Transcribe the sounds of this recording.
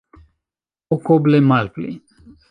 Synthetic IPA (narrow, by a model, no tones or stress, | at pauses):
okoblemalplḭ